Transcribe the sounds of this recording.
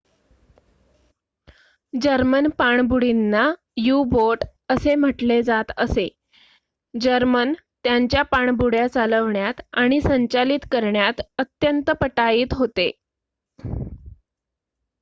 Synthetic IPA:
d͡ʑəɾmənpaɳbuɽinːa | juboɾʈ | əsem̤əʈled͡zat̪əse | d͡ʑəɾmənt̪jaɲt͡ɕjapaɳbuɽjat͡saləʋɳjat̪aɽ̃isəɲt͡ɕalit̪kəɾɳjat̪ət̪jənt̪əpəʈaiːt̪ɦot̪e

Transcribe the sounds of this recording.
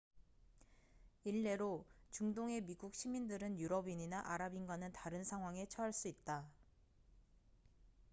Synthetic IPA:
iɭːe̞ɾot͡ɕuŋdoŋe̞miɡuk̚ɕ͈ʰimindɯɾɯnjuɾʌbiɲinaʔaɾabinɡwanɯntaɾɯnsʰaŋɦwaŋe̞t͡ɕʰʌɦaɭs͈uit̚t͈a

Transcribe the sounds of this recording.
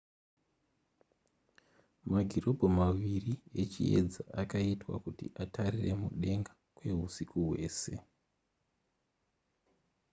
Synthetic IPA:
maɡʱiro̞bʱomaʋiriet͡ʃḭḛd͡zaʔakaitwa̰kutḭʔatʰarire̞muɗe̞ŋɡḁ | kwe̞ɦusikuɦwe̞̰ːse̞

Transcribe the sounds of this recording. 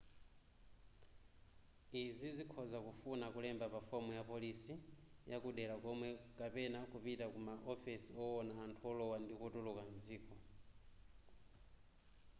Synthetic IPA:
izizikʰɔzakufunakulɛmbapafɔmujapɔlisijakuɗɛlakɔmwɛkapɛnakupitakumaʔɔfisiɔwɔnaːntʰuɔlɔwandikɔtɔlɔkanziːkɔ

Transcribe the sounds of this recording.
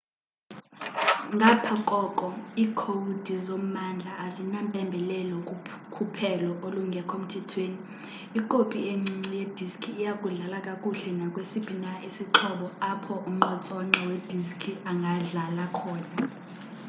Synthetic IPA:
ŋɡʱapʰakʼɔkʼɔiːkʰoud̥ʱizom̩mand͡ɮʱaːzinampʼɛmbʱɛlɛlokʼu | kʰupʰɛlɔʔoluŋɡʱɛkʰom̩tʰɛtʰweːniː | ǃʼopʼieŋ͡ǀiŋ͡ǀijed̥ʱiskʰiːjakʼuɮalakʼakʼuɬɛnakʼwesib̥ʰʱinaisiǁʰɔɓɔapʰɔʔum̩ŋ͡ǃɔt͡sʼɔŋ͡ǁɔwed̥ʱiskʰiʔaŋɡʱaɮalakʰɔːna

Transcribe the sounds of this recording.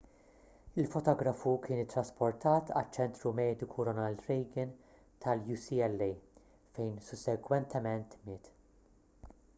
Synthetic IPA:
ɪlfɔt̪ɔːɡɾɐfukʰɪːnɪt̪ːɾɐspɔɾt̪ʰɐːt̪ʰɐ̰t͡ʃːɛnt̪ɾumɛːd̪ɪkʰuɾɔnɐld̪ɾɛjɡɪn | t̪ʰɐljuːsiːɛlːɛj | fɛjnsʊsɛɡwɛnt̪ʰɛmɛnt̪mɪːt̪

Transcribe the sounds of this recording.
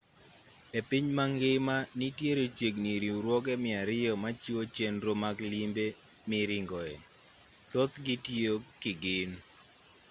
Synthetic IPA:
epiɲmaŋɡɪmanitjeɾot͡ʃeɡniɾiɾwɔɡ̬ɛmɪaɾɪjɔmat͡ʃiwot͡ʃenɾomaɡlimbe | mɪɾɪŋɡɔɛ | t̪ot̪ɡitiokɪɡɪn

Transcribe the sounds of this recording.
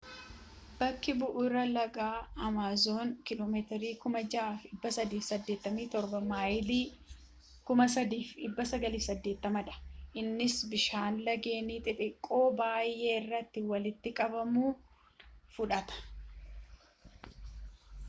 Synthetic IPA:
bɐkːɪbʊʔʊɾɐlɐɡaːɐmaːzo̞ːŋkɪloːmeːt̪ɪɾiːkʊmɐd͡ʒaaːfɪbːɐsɐd̪iːfsɐd̪ːe̞ːt̪ːɐmiːt̪ɔɾbɐmaːjliː | kʊmɐsɐd̪iːfɪbːɐsɐɡɐliːfsɐd̪ːe̞ːt̪ːɐmɐᶑɐ̥ʔɪnːɪsbɪʃaːnlɐɡe̞ːniːt̪ʼɪt̪ʼɪkʼːo̞ːbaːjːe̞ːɪrːɐt̪ːɪwɐlɪt̪ːɪkʼɐbɐmuː | fʊᶑɐt̪ɐ̥

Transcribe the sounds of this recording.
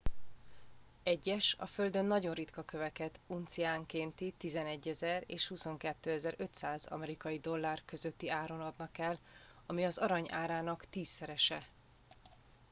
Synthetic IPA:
ɛɟːɛʃɒ̰fø̞ld̪ø̞nːɒɟo̞nrit̪kɒkø̞vɛkɛt̪unt̪siaːŋkeːnt̪it̪izɛnɛɟːɛzɛrḛːʃhuso̞ŋkɛt̪ːøːɛzɛɾø̞t̪saːzɒ̰mɛɾikɒjid̪o̞lːaːrkø̞zø̞t̪ːiaːɾo̞nɒd̪nɒkɛl | ɒmiɒzɒɾɒɲʔaːɾaːnɒkt̪iːsːɛɾɛʃɛ

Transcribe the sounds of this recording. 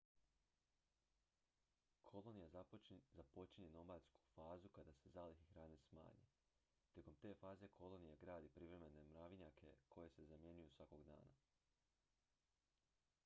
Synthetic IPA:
kʰo̞lˠonijazapo̞t͡ʃiɲeno̞maʎsku̥faːzukad̪ase̞zaːlixixɾaːne̞sma̰ːɲḛ | t̪ʲje̞ko̞mt̪e̞ːfaːze̞kʰo̞lˠonijaɡɾaːd̪ipɾiʋɾe̞me̞ne̞mɾaʋiɲakʰe̞kʰo̞je̞se̞zamje̞ɲujusʋako̞ɡd̪a̰ːna̰

